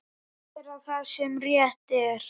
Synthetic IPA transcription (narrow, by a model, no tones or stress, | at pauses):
ɛ | t̪ɪɾaðθaðsɛmrjɛht̪ɛɾ̥